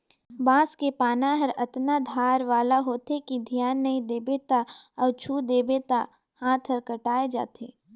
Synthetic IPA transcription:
baːskepaːnaɦɐɾɐt̪nad̪ʱaːɾʋaːlaɦoːt̪ekid̪ʱijaːnːɐĩd̪eːbet̪aɔːt͡ʃʰuːd̪eːbet̪a | hãːt̪ʰɦɐɾkɐʈaːed͡ʒa̰ːt̪ʰeː

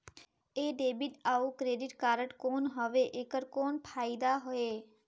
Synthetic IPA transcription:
eːɖeːbɪʈaːukɾeːɖɪʈkaːɾəʈkoːnɦəʋeʔekəɾkoːnpʰaːɪd̪aɦɔeː

